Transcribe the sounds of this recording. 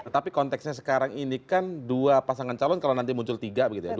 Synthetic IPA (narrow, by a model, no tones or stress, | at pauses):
ət̪apikɔnt̪ɛksɲas̬ə̥kaɾaŋinikanduapasaŋant͡ʃalɔnkalawnant̪imuɲt͡ʃʊlt̪iɡabəɡit̪uja